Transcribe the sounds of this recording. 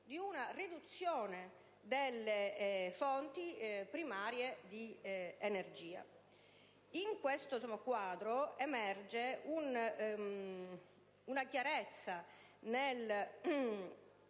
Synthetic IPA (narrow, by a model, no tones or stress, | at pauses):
d̪iunarid̪ut̪sːjoːne | d̪elːefont̪ipɾimaːɾjed̪ienerd͡ʒiːa̰ | iŋkwest̪osomakwaːd̪ɾoemɛrd͡ʒeun | unakjaɾet̪sːa | nel